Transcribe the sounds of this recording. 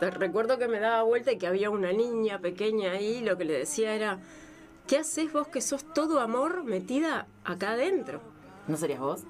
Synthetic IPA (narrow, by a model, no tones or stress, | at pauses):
rekwe̞ɾðoke̞me̞ðaβaβwe̞lt̪aikeaβ̞iaunaniɲape̞ke̞ɲaːilo̞ke̞le̞ðesiaeɾa | kease̞zβo̞ske̞so̞st̪o̞ðoamo̞ɾme̞t̪iðaː | kaðe̞nt̪ɾo̞̰ | nos̬aɾiaɦβos